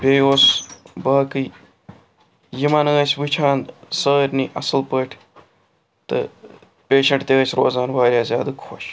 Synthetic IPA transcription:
bʲeːjoːsbaːkɨ | jimanɨɐsʲʋɨt͡ʃʰaːnsəːɾʲniʔɐsɨlpəːʈʲʰ | t̪ɨ̰ | pʲeːʃɐɳʈt̪eɐsʲɾoːzaːnʋaːɾʲjaːzʲjaːd̪ɨkʰoʃ

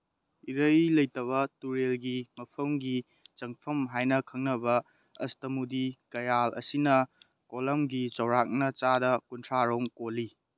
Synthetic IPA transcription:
iɾɐjlɐjtɐβɐtuɾelɡimɐpʰɐmɡi | t͡ʃɐŋpʰɐmɦajnɐkʰɐŋnɐbɐ | ɐ̰stɐmudikɐjalʔɐ̰sinɐ | kolɐmɡit͡ʃɐwɾak̚nɐt͡ʃadɐkuntʰɾaɾoŋkoli

